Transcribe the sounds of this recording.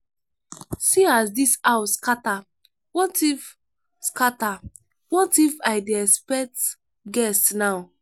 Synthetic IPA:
siasdisawskata | wɔtif | skata | wɔtifaɪdeɛkspɛk̚t | ɡɛstnaʊ

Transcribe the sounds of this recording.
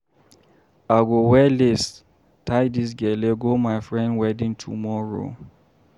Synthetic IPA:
aɡowɛles | tʰajdis̬ɡɛleɡomaɪfɹɛ̃ndwɛdĩŋtʰṵmɔɹo̰

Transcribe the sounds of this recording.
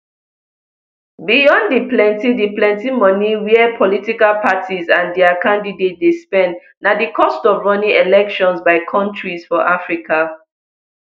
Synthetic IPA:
bijɔ̃ndiplɛ̃ntidiplɛ̃ntimɔniwiɛpʰɔlitikalpʰatizãndɛakʰãndidet̚despɛ̃nt | nadikʰɔstɔvɹɔnĩelɛkʃɔ̃nsbaɪkʰɔ̃ntɹizfɔʔafɹika

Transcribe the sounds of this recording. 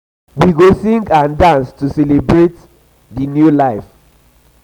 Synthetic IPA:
wiɡosĩŋɡãndãnstusɛlebɹet | dinjulaɪf

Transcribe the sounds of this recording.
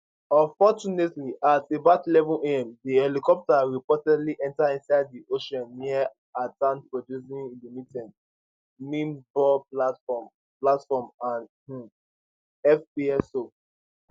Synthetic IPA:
ɔ̃nfɔt͡ʃunetliʔatebaʊtilɛvɔ̃neɛ̃mdiɛlikɔp̚taɹipɔtɛdliʔɛ̃ntaĩnsaɪddiʔoʃɔ̃nːia | atãnpɹodjusĩŋilimitɛ̃d | mĩmbɔplafɔ | platfɔmãn | ɛfpiɛso

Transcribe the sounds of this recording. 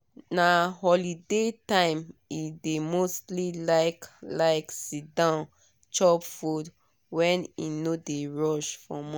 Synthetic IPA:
nahɔlidetãɪ̃midemostlilaɪklaɪksidãʊn | t͡ʃɔpfud | wɛ̃ninodeɹɔʃfɔmɔ̃

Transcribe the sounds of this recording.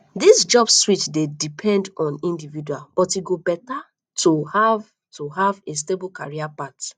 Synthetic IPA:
disd͡ʒɔbsswitdedipʰɛ̃ndɔ̃nĩndividualb̥ɔtiɡobɛta | tʰuhav | tuɦaves̬tebl̩ka̰ɹiapat

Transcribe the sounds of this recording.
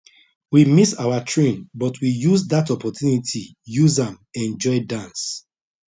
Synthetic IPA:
wimisawatʰɹẽnbɔtʰwijuzdatɔpɔtʰjunitʰi | juzãm | ɛ̃nd͡ʒɔɪdãns

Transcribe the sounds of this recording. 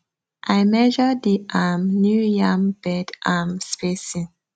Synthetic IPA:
ʔaɪmɛd͡ʒɔdiʔamnjujãmb̥ɛdʔamspesĩ

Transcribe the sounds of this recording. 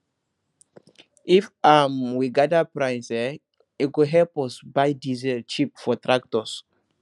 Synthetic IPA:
ifamwiɡadapɹãjnsɛ | it̚ɡuɦɛlpɔsbajdizɛlt͡ʃipfɔtɹak̚tɔs

